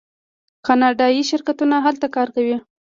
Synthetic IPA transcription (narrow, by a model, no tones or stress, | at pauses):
kɑnɑɖɑjiʃɪɾkat̪unaɦalt̪akɑɾkawi